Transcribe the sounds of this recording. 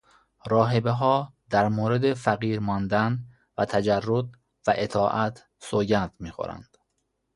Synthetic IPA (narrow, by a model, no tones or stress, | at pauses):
ɾɒːɦebeɦɒːd̪æɾmoːɾed̪efæɣiːɾmɒnd̪æn | væt̪ʰæd͡ʒærːod̪̚ | væʔe̞t̪ʰɒːʔæt̪ʰ | soːɟænd̪̥miːxo̰ɾæ̰nd̪̥